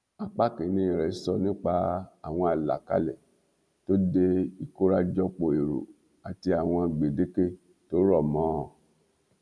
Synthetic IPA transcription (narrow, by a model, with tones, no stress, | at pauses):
a˨k͡pa˦kĩ˨nĩ˨˦˨ɾɛ˨i˦sɔ˦˨nĩ˦k͡pa˧a˨w̃ɔ̃˧a˨la̰˨ka̰˦lɛ˨ | to˦de˧i˦˧ko˦ɾa˦d͡ʒɔ˧k͡po˨e˨ɾṵ˨ | a˨ti˧a˨w̃ɔ̃˧˨ɡ͡be˨de˦ke˦˨ | to˨˦ɾɔ˦˨mã˨˦˨